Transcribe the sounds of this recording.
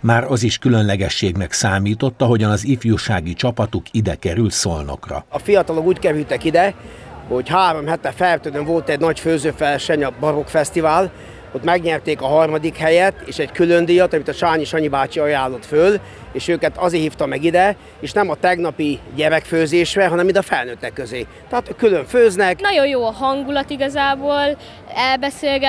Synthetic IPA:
maːɾɒziʃkylønlɛɡɛʃːeːɡnɛksaːmiːt̪o̞t̪ːɒɦo̞ɟɒnɒzifjuːʃaːɡit͡ʃɒpɒt̪ukid̪ɛkɛɾylt̪solno̰krɒ̰ɒfijɒt̪ɒlokuːckɛɾylt̪ɛkid̪ɛ | ho̞ɟhaːɾo̞mhɛt̪ɛfɛrt̪øːd̪øɱvo̞lt̪ɛɟnɒcføːzøːfɛlʃɛɲɒbɒɾo̞kfɛst̪ivaːl | ot̪mɛɡɲɛrt̪eːkɒɦɒrmɒd̪ikhɛjɛt̪ːeːʃɛɟkylønd̪ijɒt̪ɒmit̪ɒt͡ʃaːɲiʃɒɲibaːt͡ʃiɒjaːlːo̞t̪føl | eːʃøːkɛt̪ɒzeːhiːft̪ɒmɛɡid̪ɛ | eːʃnɛmɒt̪ɛɡnɒpiɟɛɾɛkføːzeːʃrɛɦɒnɛmind̪ɒfɛlnøːt̪ːɛkːøzeː | t̪ɛɦaːt̪kyløɱføːznɛknɒɟo̞jjoːɒɦɒŋɡulɒt̪iɡɒzaːboːl | ɛlbɛseːlɡɛ

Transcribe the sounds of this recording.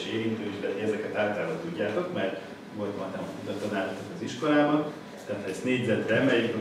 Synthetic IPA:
ʃeːɾint̪øːiʃd̪ɛt̪iɛzɛkɛt̪aːt̪aːɾvɒt̪uɟːaːt̪o̞kmɛr | mot̪mɒnt̪ɛmud̪ɒt̪ɒnaːɾt̪oɒziʃko̞laːbɒn | t̪aːt̪ʰɛsneːɟzɛt̪bɛmɛj

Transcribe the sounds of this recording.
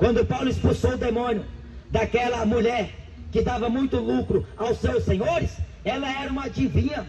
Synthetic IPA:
kwɐ̃nd̪ʊpawlʊɪspulsowʊd̪emõnjʊ | d̪akɛlɐmuʎɛɾ | kɪd̪avɐmũj̃t̪ʊlukɾʊawsewsːẽɲoɾɪs | ɛlɐɛɾɐũmad͡ʒivĩɲɐ

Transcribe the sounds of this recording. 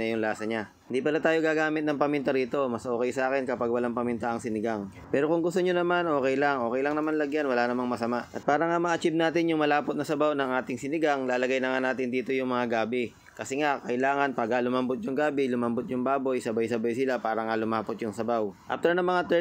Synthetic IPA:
ɐjʊŋlaːsɐɲa | ɪnd̪ipɐlat̪aːjoɡaːɡaːmɪt̪̚nɐŋpɐmɪnt̪ɐɾiːt̪o̞mɐsʔo̞ːkɛjsɐʔaːkɛnkɐpaɡ̚wɐlaŋpɐmɪnt̪aʔɐŋsɪnɪɡaŋ | pɛːɾo̞kʊŋɡʊst̪oɲonɐmanʔo̞ːkɛjlaŋʔo̞ːkɛjlɐŋnɐmanlɐɡjanwɐlanɐmaŋmɐsɐmaʔʔɐt̪̚paːɾɐŋamɐʔɐt͡ʃib̚naːt̪ɪnjʊŋmɐlaːpot̪̚nɐsɐbawnɐŋʔaːt̪ɪŋsɪnɪɡaŋlaːlɐɡajnɐŋanaːt̪ɪnd̪iːt̪o̞jʊŋmɐŋaɡaːbɪ | kɐsɛŋakɐʔɪlaːŋɐnpaɡalʊmɐmbot̪̚jʊŋɡaːbɪlʊmɐmbot̪̚jʊŋbaːbo̞jsɐbajsɐbajsɪlapaːɾɐŋalʊmaːpot̪̚jʊŋsɐbawʔa̰ft̪ɛɹnɐŋmɐŋat̪ɛ

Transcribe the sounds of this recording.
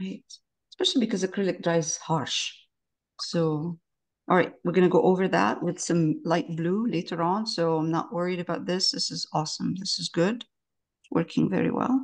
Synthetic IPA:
ɹaɪt̚ | ə̥spɛʃl̩ˠibɨkʌzɨkʰɹ̥ɪlɨk̚d̥ɹaɪz̥hɑɹʃ | soʊ | ʔɑlˠɹaɪt̚wɨɹɡʌ̃nɨɡoʊʔoʊvə˞ðæ̰ʔ̚wɨð̥sʌ̃mlaɪt̚b̥luleɪɾə˞ə̃nsoʊãɪ̃mnə̰ʔwɜ˞iɾɨbaʊt̪̚ðɪsðɪsɨzɔsə̃mðɪsɨzɡʊd | wɜ̰˞kʰɪ̃ŋvɛ̰ɹḭwɛ̰lˠ

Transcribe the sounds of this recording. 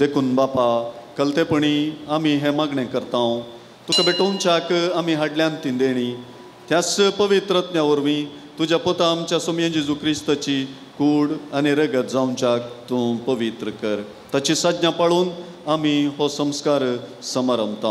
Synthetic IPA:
d̪ekʰuːnbapakəlt̪epəɳ̃iamiɦɛ̃maɡɳɛ̃kəɾt̪ãw̃ | t̪ukabeʈõnt͡ɕakamiɦaɽljãnt̪ĩnd̪eɽ̃i | t̪jaspəʋit̪ɾət̪njaʋəɾmi | t̪ud͡ʑapot̪aːmt͡ɕjasomjə̃d͡ʑisukʰɾist̪ət͡ɕi | kuːɽaniɾəɡət̪̚d͡zaũnt͡ɕak̚t̪ũpəʋit̪ɾəkəɾ | t̪at͡ɕisad̪njãpaɭuːn | amiɦɔsə̃mskaɾsəmaɾəmt̪ã

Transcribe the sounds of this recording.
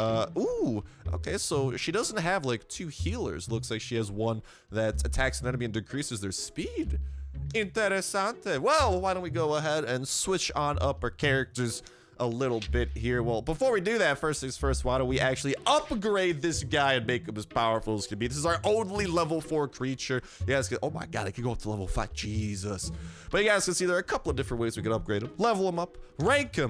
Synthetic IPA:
ʌuʔo̰ʊkʰeɪsoʊʃidʌzn̩t̚ɦɨvlaɪk̚tʰʉhilˠə̰˞zlʊkslaɪkʃiɨzwʌ̃n | ðɨtɨtʰæksɨ̃nɛ̃nəmiɨ̃ndɨkʰɹ̥isɨzðə˞spidɨ̃ntɛɾɨsãʊ̃nɨwɛlˠwaɪɾõʊ̃ntwiɡoʊəɦɛɾɨ̃nswɪt͡ʃn̩ʌpə˞kʰɛɹɨk̚tə˞z | ʔəlɪɾl̩ˠbɪt̚hiɹwɛlˠbəfɔɹwidɨðɨtfɜ˞stθɪ̃ŋz̥fɜ˞st̚waɪɾəwiʔæk̚t͡ʃʉl̩ˠiʌp̚ɡɹeɪd̪̚ðɪsɡ̥aɪɨ̃nmeɪkɨ̃mpɨz̥pʰaʊə˞fl̩ˠəz̥kʰɨbiðɪsɨzaə˞ʔoʊdˡlilɛvl̩ˠfɔɹkʰɹ̥it͡ʃə˞ | jɨɡaɪzskɨʔoʊmaɪɡɑ̰ɾɪkɨ̃d̚ɡoʊʌftʰəlɛvl̩ˠfa̰t̚d̥ʒ̥izəsb̥ʌt͡ʃɨɡaɪz̥kɨ̃siðə˞ːkʰʌpl̩ˠʌvdɪfɹə̃nʔ̚weɪzwikɨ̃ɾʌp̚ɡ̥ɹeɪɾə̃mlɛvl̩ˠə̃mʌpɹæ̃ŋkɨ̃m

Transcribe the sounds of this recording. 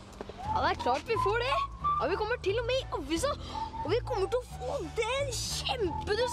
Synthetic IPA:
jɑ̰d̪ɛæɾkʰlɑːʈʋɪfoːɖɛɑʋɪkɔmːəʈɪlːɔmɛɪʔɑʋːɪs̬əɔʋɪkʰɔmːəʈɪlɔfoːd̪ɛnɕɛmpəd̪ʉs

